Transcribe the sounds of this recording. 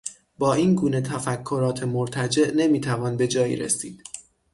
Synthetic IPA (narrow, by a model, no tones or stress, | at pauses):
bɒːiːnɡuːne̞t̪ʰæfækʰːo̞ɾɒːt̪ʰemoɾt̪ʰæd͡ʒe̞ʔne̞miːt̪ʰævɒːnbe̞d͡ʒɒːjḭːɾḛsiːd̪̥